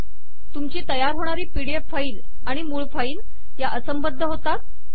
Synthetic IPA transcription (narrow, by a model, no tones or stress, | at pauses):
t̪umt͡ɕiːt̪əjaɾɦoɽ̃aɾiːpiɽiepfaiːl | aɽ̃imuːɭfaiːn | jaʔəsəmbəd̪ʱːəɦot̪a